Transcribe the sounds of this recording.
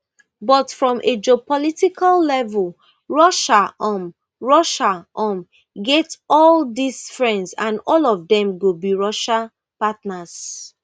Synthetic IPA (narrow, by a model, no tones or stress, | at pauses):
bɔtfɹɔ̃mʔed͡ʒiopɔlitikʰallɛvul | ɹɔʃaʔɔm | ɹɔʃaʔɔ̃m | ɡɛtɔldisfɹɛ̃ndsãnɔlɔvdɛ̃mɡobiɹɔʃa | patnas